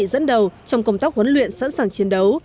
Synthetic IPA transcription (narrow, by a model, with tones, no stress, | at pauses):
zə̰˧˥nɗə˨˩wt͡ɕɔ˧wŋ͡mkə˧wŋ͡mt̪aː˦˥k̚hə˨˦nlwḭ˧˨ənsa̰˧˥nsaː˨˩ŋt͡ɕi˨˦ənɗə˨˦w